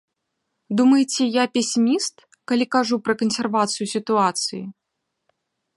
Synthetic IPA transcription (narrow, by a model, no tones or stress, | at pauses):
d̪umɐjt͡sʲɛjapʲɛsʲimʲist̪ | kɐlʲikaʐupɾɐkɐnsʲɛrvat̪sɨjusʲit̪uat̪sɨji